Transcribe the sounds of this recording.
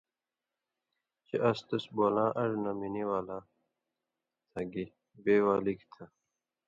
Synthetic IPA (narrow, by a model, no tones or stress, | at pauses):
t͡ɕeʔɐst̪ɐsboːlãːʔɐɾnɐminiwaːla | t̪ʰɐɡi | beːwaːlikt̪ʰɐ